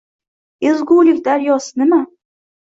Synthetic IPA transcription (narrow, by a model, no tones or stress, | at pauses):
ɪzɡuːlɪkʲd̪aɾjɒsɪnɪma